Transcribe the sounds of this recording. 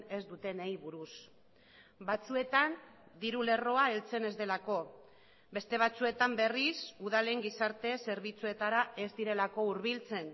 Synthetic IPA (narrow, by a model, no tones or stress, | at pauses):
e̞zd̪ut̪e̞nejβuɾus | bat͡sue̞t̪and̪iɾule̞ro̞ae̞lt͡se̞ne̞zd̪e̞lako̞ | be̞st̪e̞β̞at͡sue̞t̪ambe̞risuðale̞ŋɡisaɾt̪e̞se̞ɾβ̞it͡sue̞t̪aɾae̞zd̪iɾe̞lako̞uɾβ̞ilt͡se̞n